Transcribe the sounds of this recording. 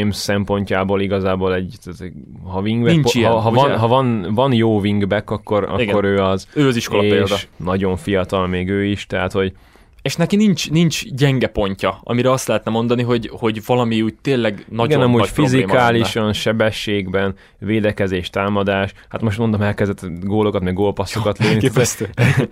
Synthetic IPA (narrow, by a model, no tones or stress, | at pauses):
emsɛmpo̞ɲcaːboːliɡɒzaːboːlɛɟt̪t̪ | ɦɒviŋɡb̪inpiɦɒvɒnɦɒvɒnvɒnjoːviŋɡbɛkːɒkːo̞ɾɒ̰iiɡkːoɾøːɒzøːɒziʃkoleeːldʃd̪ɒnɒɟo̞ɱfijɒt̪ɒlmeːɡøːiʃt̪ɛɦat̪ho̞ɟ | eːʃnɛkinint͡ʃnint͡ʃɟɛŋɡɛpo̞ɲcɒɒ̰miɾɛɒst̪lɛɦɛt̪nɛmo̞nd̪ɒniɦo̞ɟho̞ɟvɒlɒmiuːc̚t̪eːlːɛɡnɒiɡɛnɒmu̥ːfizimkaːliʃɒnʃɛbɛʃːeːɡbɛn | veːd̪ɛkɛzeːʃt̪aːmɒd̪aːʃhat̪moʃt̪mond̪omɛlkɛzd̪ɛt̪ɡoːlo̞kɒt̪mɛɡoːlpɒsːokɒt̪leːnist̪ø